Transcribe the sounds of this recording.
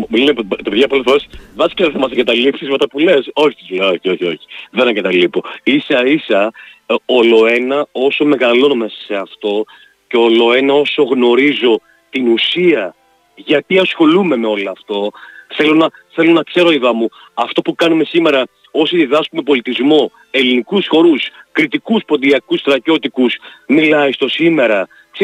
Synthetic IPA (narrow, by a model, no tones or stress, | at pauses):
mlinept̪ɐpðʝɐpoleθesvɐsi̥kɐðeθɐmɐsɐŋɡɐt̪ɐlipsizmet̪ɐpule̞so̞çisɐzleoçio̞çio̞çi̥ðe̞nɐŋɡɐt̪ɐlipo̞isɐisɐ | olo̞e̞nɐo̞so̞me̞ɣɐlo̞nomesɐ̥se̞ɐft̪o̞ | ce̞olo̞e̞nɐo̞so̞ɣno̞ɾizo̞ | t̪inusiɐ | ʝɐt̪iɐsxo̞lume̞me̞o̞loɐft̪o̞θe̞lo̞nɐ | θe̞lo̞nɐkse̞ɾo̞iðɐmu | ɐft̪o̞pukɐnume̞sime̞ɾɐ | o̞siðiðɐskume̞po̞lit̪izmo̞ | e̞linikusxo̞ɾuskɾit̪ikuspo̞d̪iɐkusθɾɐcot̪ikusmilɐist̪o̞sime̞ɾɐ | kse